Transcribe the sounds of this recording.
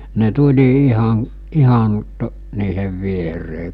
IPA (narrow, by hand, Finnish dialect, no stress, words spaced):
ne tulʲi ihɑn̞ ihɑn to niːheʋ ʋiereː